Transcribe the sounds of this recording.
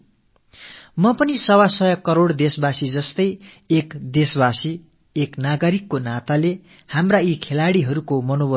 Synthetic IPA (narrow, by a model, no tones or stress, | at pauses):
mʌpʌnisʌwasʌjʌkːʌɾoɽd̪esbasid͡zʌst̪ʌj | ekd̪esbasiː | knaɡʌɾikːonat̪ale | hamraikʰelaɽiɦʌɾukomʌnobʌ